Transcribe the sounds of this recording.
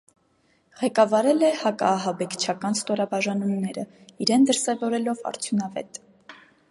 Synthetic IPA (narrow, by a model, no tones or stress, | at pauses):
ʁɛkɑvɑɾɛlɛhɑkɑ̰ːɦɑbɛkʰt͡ʃʰɑkɑnst̪ɔɾɑbɑʒɑnumnɛɾə | iɾɛnd̪əɾsɛvɔɾɛlɔvɑ̰ɾt͡sʰjunɑvɛ̰t̪